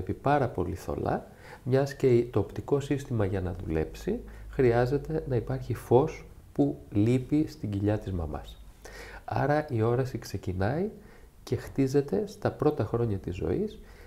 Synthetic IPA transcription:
pipɐɾɐpo̞̰liθo̞̰lɐ̰ | mɲɐsce̞it̪o̞ːpt̪iko̞sist̪imɐʝɐnɐðṵle̞̰psixɾiɐze̞t̪e̞nɐipɐɾçifo̞s | pulipist̪iɲɟiʎɐt̪izmɐmɐ̰s | ɐ̰ɾɐʔio̞ɾɐsikse̞cinɐi | ce̞xt̪ize̞t̪e̞st̪ɐpɾo̞t̪ɐxɾo̞ɲɐt̪izːo̞̰is

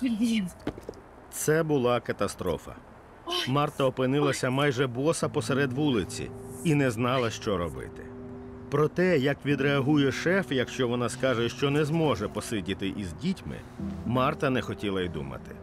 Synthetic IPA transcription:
t̪sɛbʊlˠɑkɐt̪ɐst̪ɾɔ̰fɐ̰ | mɑrt̪ɐɔpɪnɪlˠɐsʲɐmɑjʒɛbɔsɐpɔsɛɾɛd̪ʋulˠɪt͡sʲḭinɛznɑlˠɐʃt͡ʃɔɾɔbɪ̰t̪ɪ̰ | pɾɔt̪ɛjɐkʋʲid̪ɾeɐɦujɛʃɛfjɐkʃt͡ʃɔʋɔnɑskɑʒɛʃt͡ʃɔnɛzmɔʒɛpɔsɪdʲit̪ɪʔizʲdʲitʲmɪ̰ | mɑrt̪ɐnɛxɔtʲilˠɐid̪ṵmɐ̰t̪ɪ̰

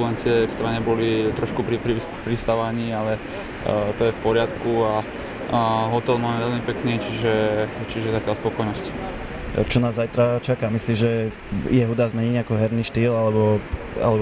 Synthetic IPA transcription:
ulɛnt͡sɪɛkst̪ɾaɲɛbɔlit̪ɾɔʃkupɾipɾi | pɾist̪aʋaɲiːalɛ | t̪ɔjɛfpɔɾɪat̪kua | ɦɔt̪ɛlmamɛʋɛʎmipɛknit͡ʃiʒɛt͡ʃiʒɛzacɪalspɔkɔjnɔsci̥ | t͡ʃɔnaːzːajt̪ɾat͡ʃakamislimʒɛ | jɛɦud̪aːzmɛɲiɲakɔɦɛɾniʃt̪iːlalɛbɔ | a̰lɛb

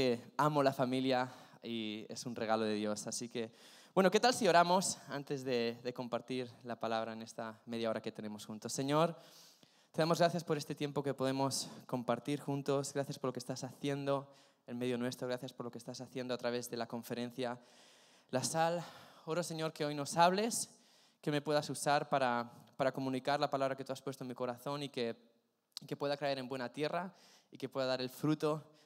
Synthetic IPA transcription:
eamo̞lafamilja | iḛsunre̞ɣ̞alo̞ð̞e̞ðjo̞sasike̞ | bwe̞no̞ke̞t̪alsio̞ɾamo̞sant̪e̞zðe̞ðe̞ko̞mpaɾt̪iɾlapalaβɾaene̞st̪ame̞ð̞jao̞ɾake̞t̪e̞ne̞mo̞sxunt̪o̞sːe̞ɲo̞ɾ | t̪e̞ðamozɣɾaθjaspo̞ɾe̞st̪et̪je̞mpo̞ke̞po̞ð̞e̞mo̞sko̞mpaɾt̪iɾxunt̪o̞zɣɾaθjaspoɾlokest̪asaθje̞nd̪o̞ | enme̞ðjo̞nwe̞st̪ɾo̞ɣɾaθjaspo̞ɾlo̞kest̪asaθje̞nd̪oat̪ɾaβe̞zðe̞lako̞ɱfe̞ɾẽ̞n̟θja | lasalo̞ɾose̞ɲo̞ɾke̞o̞jno̞saβle̞s | kemepwe̞ðasusaɾpaɾapaɾako̞mũnikaɾlapalaβɾaket̪uaspwest̪omiko̞ɾaθo̞nike̞ | ke̞pwe̞ðakae̞ɾe̞mbwe̞nat̪je̞ra | ike̞pwe̞ðaðaɾelfɾut̪o̞

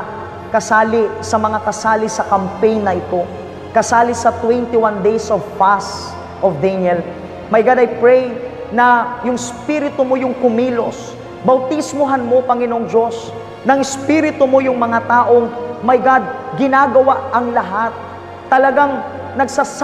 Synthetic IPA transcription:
kɐsaːlɪsɐmɐŋakɐsaːlɪsɐkɐmpɛjnːɐʔɪt̪o̞ | kɐsaːlɪsɐt̪wɛnt̪ɪwand̪ejsovpas | ʔovd̪ɛnɛl | mɐjɡad̪ɐjpɹɛj | nɐjʊŋɪspiɾɪt̪omo̞jʊŋkʊmiːlo̞s | bɐwt̪ismoɦanmo̞pɐŋɪnoʔoŋd͡ʒo̞s | nɐŋɪspiɾɪt̪omo̞jʊŋmɐŋat̪aːʔo̞ŋmɐjɡad̪̚ɡɪnaːɡɐwaʔɐŋlɐɦat̪̚ː | ɐlɐɡaŋ | nɐɡsas

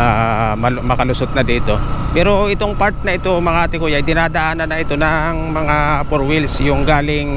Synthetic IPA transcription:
ʔamɐmɐkɐlʊsot̪̚nɐd̪iːt̪o̞pɛːɾo̞ʔɪt̪o̞ŋpaɾt̪̚nɐʔɪt̪o̞mɐŋat̪ɪkojaɐjd̪ɪnaːd̪ɐʔaːnɐnɐʔɪt̪o̞nɐŋmɐŋapoɾwɪlsjʊŋɡaːlɪŋ

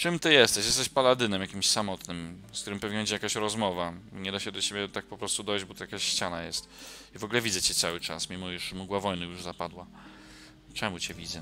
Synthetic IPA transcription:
t͡ʂɘmt̪ɘjɛst̪ɛɕjɛst̪ɛɕpalad̪ɘnɛmjakʲimɕsamɔt̪nɘmsk̚t̪uɾɘmpɔvʲinbɛɲd͡ʑejakaɕɾɔzmɔvaɲɛd̪aɕɛd̪ɔt͡ɕebʲɛt̪ak̚pɔpɾɔst̪ud̪ɔjd͡ʑbɔt̪ɔjakaɕɕt͡ɕanajɛst̪ivɔɡlɛvʲid̪zɛt͡ɕɛt̪sawɘt͡ʂa̰smʲimɔjuʂmuɡwavɔjnɨjuʐzapad̪wa | t͡ʂɛmut͡ɕɛvʲid̪zɛ

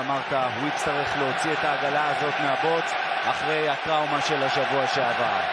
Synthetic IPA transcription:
amaʁt̪awit͡st̪aʁiχleo̞t͡siet̪aːɡalaːzo̞t̪meabo̞t͡s | aχʁe̞jat̪ʁawmaʃe̞laʃavuaʃeava̰

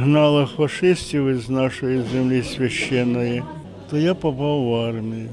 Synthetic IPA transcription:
ɦnɑlˠɪxfɐʂɪsʲtʲiwɪznɑʃɔjizemlʲisʲʋʲɐʃːɛnːɔji | t̪ɔjapɔpɑwːɑrmʲiji

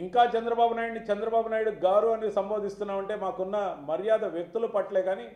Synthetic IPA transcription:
iŋkaːt͡ʃɐnd̪ɾɐbaːbunaːjɽnit͡ʃɐnd̪ɾɐbaːbunaːjiɽuɡaːɾuɐnisɐmboːd̪ʱist̪unːaːmɐɳʈe̞ːmaːkunːɐmɐɾijaːd̪ɐʋjɐk̚t̪ulupɐʈleːɡaːni

